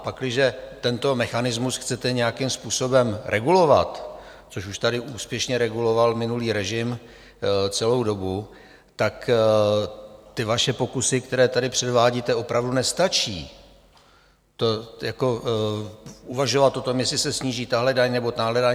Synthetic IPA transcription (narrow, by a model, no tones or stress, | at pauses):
apaklɪʒɛt̪ɛnt̪o̞mɛxanɪzmusxt͡sɛt̪ɛɲɛjakɪmspuːso̞bɛmɾʔɛɡulo̞va̰t̪ | t͡so̞ʃuʃt̪adɪʔuːspjɛʃɲɛɾɛɡulo̞valmɪnuliːɾɛʒɪm | t͡sɛlowdo̞bu | t̪ak | t̪ɪvaʃɛpo̞kusɪkt̪ɛɾɛːt̪adɪpr̝̥ɛdvaːɟiːt̪ɛo̞pɾavdunɛst̪at͡ʃiː | t̪ojako̞ | uvaʒovat̪ʔo̞t̪o̞mjɛslɪsɛsɲiːʒiːt̪aɦlɛdaɲnɛbo̞t̪aɦlɛda